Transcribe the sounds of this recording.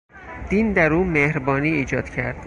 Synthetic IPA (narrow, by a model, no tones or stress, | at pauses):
d̪̥iːnd̪æɾuːmehɾbɒːniːiːd͡ʒɒːd̪̥cʰæɾd̪̥